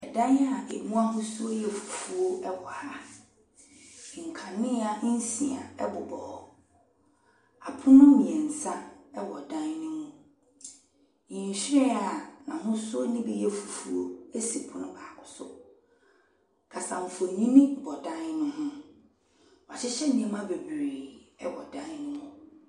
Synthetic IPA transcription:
ɛ˨dã˦n˦a˨e˨mũ˦a˦ɦʊ̃˦sʊ˦jɛ˨fu̥˨fu˨o˦ɛ˦wɔ˨ha˦˨ | ŋ̩˨kʰã˨mɪ̃˦a˨˦n̩˦sĩ˨a̰˨ɛ˦bʊ˨bɔ˨ɔ˨ | a˨pʰʊ̃˦nʊ̃˦mĩ˨ɛ˨n̩˨sã˦ɛ˦wɔ˨dã˦nnʊ̃˦mũ˦ | ɲĩ˨ɲ˨ɕɾɪ̃˦a˨nã˨ɦʊ̃˦sʊ˦o˦nĩ˦bi˦jɛ˦fu˨fu˨o˦e˦si˨pʰʊ˦nʊ̃˦baː˨kʰʊ̥˨sʊ̰˦ | kʰa˨sa˨m̩˨fʊ˨e˨ɲĩ˦nĩ˦˨bɔ˨dã˦nnʊ̃˦ɦʊ̃˦ | wɔ˨a˨t͡ɕʰɪ˦ɕɛ˦nĩ˨ɛ˦mã˦be˨bɾe˨ɛ̰˦wɔ̰˨dã˦n˦nɪ̃˦mʊ̃˦

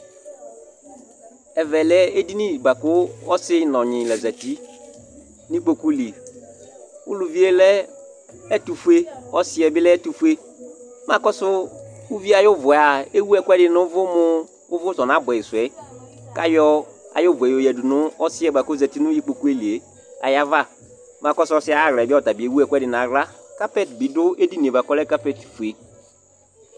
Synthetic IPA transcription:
ɛ˨vɛ˨lɛ˦e˦di˦nĩ˦˨ba˨kʊ˦ɔ˦sɪ˦nɔ̃˨ɲɪ̃˨lɛ˨zɛ˨ti˦ | nĩ˦k͡po˨ku˦li˨ | ʊ̰˦lu˨vi˦e˦lɛ˦ | ɛ˦tu˨fu˦e˦ɔ˦sɪ˦ɛ˨bɪ˦lɛ˦ɛ˦tu˨fu˦e˦ | mã˨kɔ˦sʊ˦u˦vi˦a˨jɔ˦vʊ˨a˨e˦wu˦ɛ˦˨kʷɛ˦dɪ˨nʊ˦vʊ˦mʊ˦ | ʊ˦vʊ˦sɔ˨n˨a˨˦bʊ˨ɛ˨ɪ˨sʊ˨ɛ˨˦ | ka˦jɔ˦a̰˨jo˦˨vɛ˨jo˨jɛ˨dʊ˨nʊ˦ɔ˦sɪ˦ɛ˦ba˨ko˦zɛ˨ti˦nʊ̃˦ji˦k͡po˨ku˦e˦li˨e˨ | a̰˨ja˦va˦˨ | ma˨kɔ˦sʊ˦ɔ˦sɪ˦a˦˨ɣɛ˨bɪ˦ɔ˦˨ta˨bi˨e˨˦wu˦ɛ˨kʷɛ˦dɪ˨n˨a˨ɡla˦ka˦pɛ˦˨tbi˨dʊ˦e˦di˦ni˨e˨ba˨kɔ˦lɛ˦ka˦pɛ˦˨tfu˨e˨

